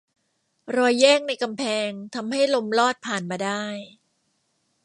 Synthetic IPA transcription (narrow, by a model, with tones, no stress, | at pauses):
ɾɔː˧jːɛː˥˩ŋna˧jka˧mpʰɛː˧ŋt̪ʰa˧mha˥˩jlo˧mlɔː˥˩t̪̚pʰaː˨˩nmaː˧daː˥˩j